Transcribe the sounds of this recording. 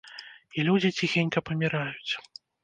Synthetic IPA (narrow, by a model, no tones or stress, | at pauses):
ilʲud͡zʲit͡sʲixʲenʲkɐpɐmʲiɾajut͡sʲ